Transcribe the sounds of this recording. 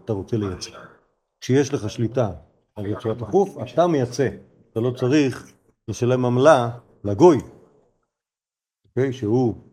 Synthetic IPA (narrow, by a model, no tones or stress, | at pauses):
at̪aʁo̞t͡se̞lejat͡se | kʃejeʃle̞χaʃlita | aljot͡suat̪aχufat̪amejat͡se̞ | at̪alo̞t͡saʁiχ | veʃelemamla | laɡo̞j | oke̞jʃehu